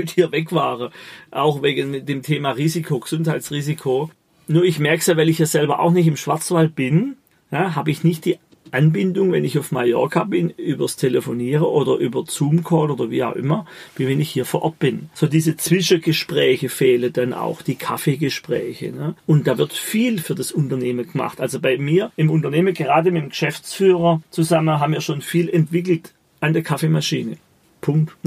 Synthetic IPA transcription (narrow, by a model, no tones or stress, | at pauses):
mɪthiːɐvɛkv̥aːʁəʔaʊxveːɡənmɪt̚d̥eːmtʰeːmaːʁiːzikʰoɡəz̥ʊnthaɪtt͡sʁiːzikʰo | nuːɐɪçmɛɐksjaːvaɪlɪçjaːzɛlbɐʔa̰ʊxnɪçtɪmʃv̥aɐt͡sv̥alt̚b̥ɪn | jaɦaːbəɪçnɪçt̚d̥iː | ʔanbɪndʊŋvɛnɪçaʊfmajɔ̰ɐkabɪnyːbɐstʰeləfoniːʁəʔoːdɐʔyːbɐt͡suːmkʰɔːtoːdɐvḭːa̰ʊxʔɪ̰mɐviːvɛnɪçhiːɐfoːʔɐt̚b̥ɪnz̥oːdiːzət͡sv̥ɪʃəɡ̥əʃpʁ̥ɛːçəfɛːləd̥anʔa̰ʊxd̥iːkʰafeɡəʃpʁ̥ɛ̰ːçə̰nəʔʊnt̚d̥aːvɪɐtfiːlfyːɐdasʊntɐneːməɡ̥əma̰χtʔalzobaɪmiːɐɪmʊntɐneːməɡəʁaːdəmɪtmɡ̥əʃɛft͡sfyːʁɐt͡suzamənɦaːbmviːɐʃoːnfiːlɛntv̥ɪkl̩t | ʔandɛɐkʰafemaʃiːnə | pʰʊŋkt